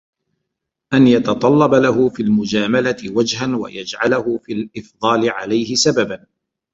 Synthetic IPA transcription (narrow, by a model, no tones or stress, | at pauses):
ʔanjɑt̪ɑt̪ˤɑlːɑbalaɦʊfiːlmʊd͡ʒaːmalat̪ɪwad͡ʒɦanwa̰jad͡ʒʕalahʊfiːlʔɪfd̪ˤɑːlɪʕalajhɪsababan